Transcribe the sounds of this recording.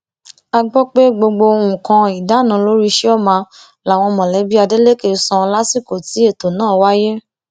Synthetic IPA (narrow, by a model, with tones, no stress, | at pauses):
a˧ɡ͡bɔ˦k͡pe˦ɡ͡bo˧ɡ͡bo˧o˧ɾũ˨kã˧i˨da˨˦˨nã˧˦lo˦ɾi˦ʃe˦ɔ˦˨mã˧ | la˨w̃ɔ̃˧mɔ̃˨lɛ˨˦bi˦a˧de˦le˦ke˧˨˧sɔ̃˧la˦si˦˨ko˨ti˨˦e˦˨to˨nãː˦˨wa˦je˦